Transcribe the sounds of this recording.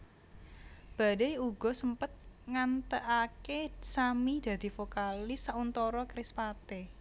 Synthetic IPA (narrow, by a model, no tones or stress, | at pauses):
b̥a̤dejuɡ̥ɔ̤səmpət̪̚ŋant̪əʔakesamid̪̥ä̤d̪̥i̤fokalɪsaunt̪ɔɾɔkɾɪspat̪e